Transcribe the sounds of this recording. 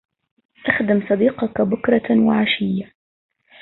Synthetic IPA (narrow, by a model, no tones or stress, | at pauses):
ʔaxd̪ɪmsˤɑd̪iːqɑkabʊkɾˤɑwaʕaʃɪjːa